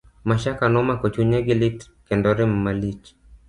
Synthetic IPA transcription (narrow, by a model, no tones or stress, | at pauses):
maʃakanɔmakɔt͡ʃuɲɛɡilit | kɛndɔɾɛmmalit͡ʃ